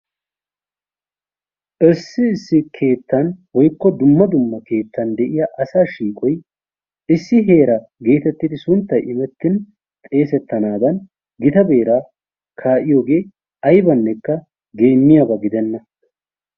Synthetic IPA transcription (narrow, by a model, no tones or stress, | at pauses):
ʔɪsːɪɪsːɪkʰe̞ːt̪ːɐnwɔjkːɔd̪ʊmːɐd̪ʊmːɐke̞ːt̪ːɐnd̪ɛʔɪjɐʔɐsaːʃiːkʼɔj | ʔɪsːɪɦe̞ːɾɐɡe̞ːt̪ɛt̪ːɪd̪ɪsʊnt̪ːɐjʔɪmɛt̪ːɪn | t̪ʼe̞ːsɛt̪ːɐnaːd̪ɐn | ɡɪt̪ɐbe̞ːɾa | kʰaːʔɪjoːɡe̞ː | ʔɐjbɐnːɛkːɐ | ɡe̞ːmːɪjaːbɐɡɪd̪ɛnːɐ